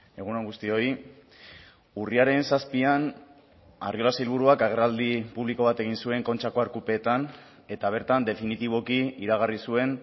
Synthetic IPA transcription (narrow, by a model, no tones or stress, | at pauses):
e̞ɣ̞unoŋɡust̪io̞i | uriaɾe̞nsaspian | a̰rio̞lasilβ̞uɾuakaɣ̞e̞rald̪ipuβ̞liko̞β̞at̪e̞ɣ̞insue̞ŋko̞nt͡ʃako̞aɾkupe̞ːt̪an | e̞t̪aβ̞e̞ɾt̪and̪e̞finit̪iβo̞kiiɾaɣ̞arisue̞n